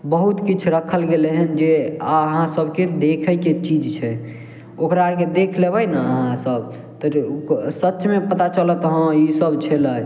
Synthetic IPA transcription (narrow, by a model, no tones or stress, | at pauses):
bəɦut̪kit͡ʃʰɾəkʰəlɡeleɦɛnd͡ʒeaəɦãsəbked̪ekʰəjket͡ʃid͡ʒt͡ʃʰɛ | okɾaked̪ekʰlebəjnaəɦãsəb | t̪əksətːʃʰmepət̪at͡ʃələt̪ɦə̃isəbt͡ʃʰɛlə